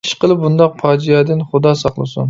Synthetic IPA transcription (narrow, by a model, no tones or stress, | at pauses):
ʃqəlˠɨp̚bund̪ɑq̚pʰɑːd͡ʒijɑːd̪ɪnχʊd̪ɑsɑχlˠɨ̰sṵn